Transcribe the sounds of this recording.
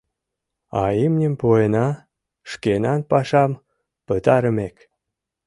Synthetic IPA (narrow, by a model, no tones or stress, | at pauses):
ɑ̰imnʲəmpojenɑ | ʃkenɑnpɑʃɑm | pət̪ɑɾəmek